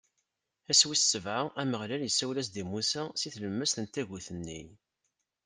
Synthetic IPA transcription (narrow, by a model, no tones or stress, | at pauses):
æswissəvʕaæməʁlæljəsːæwlæs̬d̪imusæsiθləmːəsθənt̪æʝuθənːḭj